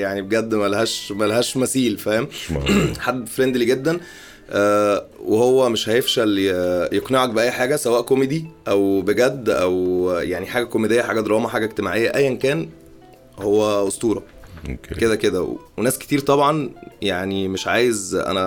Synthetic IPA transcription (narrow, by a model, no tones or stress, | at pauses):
jaʕnibeɡæd̪ːmælhæːʃmælɦæːʃmæsiːlfæːhem | ħad̪ːfɾend̪liɡed̪ːæn | ʔæːwehowːæmeʃhæjefʃæljeqneʕɑk̚beʔæjːħaːɡæsæwæːʔkomed̪iʔæwbeɡæd̪ːʔæ̰wjaʕniħaːɡækomed̪ejːæħaːɡæd̪ɾˤɑːmɑħaːɡæʔeɡt̪ema̰ʕejːæʔæjːʔænkæːn | howːæʔost̪uːɾˤɑ̰ | okeked̪æked̪æ̰wenæːsket̪iːɾt̪ˤɑbʕɑnjaʕnimeʃʕaːjezʔæ̰næ